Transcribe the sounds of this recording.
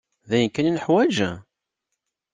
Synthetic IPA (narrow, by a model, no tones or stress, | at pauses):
ðæjənkːæninəħwæd͡ʒæ̰